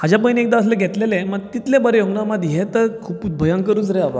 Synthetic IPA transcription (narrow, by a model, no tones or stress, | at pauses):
ɦad͡ʑjap̬əjniek̚d̪aəsleɡʱet̪lelẽməɡ̚t̪it̪lẽbəɾejoɡɳamad̪ʱɦet̪əɾkʰuːpud̪̚bʱəjaŋkəɾuːt͡sɾeaʋa̰